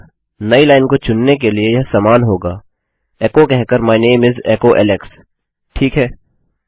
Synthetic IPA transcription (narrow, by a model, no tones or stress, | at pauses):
nɐilaːɪnkot͡ʃʊnːek̬eliejɐɦsaːmaːnɦoːɡaː | ɛːkokɛɦkəɾmaːɪneːmɪzɛːkoʔɛ̰ːlɛks | ʈʰiːkɦɛː